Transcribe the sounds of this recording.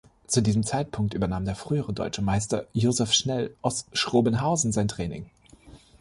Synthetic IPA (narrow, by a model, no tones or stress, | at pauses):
t͡sudiːzəm̩t͡saɪt̚pʰʊŋk̚tʔyːbɐnaːmdeːɐfʁ̥yːəʁədɔ̰ʏt͡ʃəmaɪstɐjoːzɛfʃnɛlʔaʊsʃʁ̥oːbənɦaʊzn̩zaɪntʁ̥ɛːnɪ̰ŋ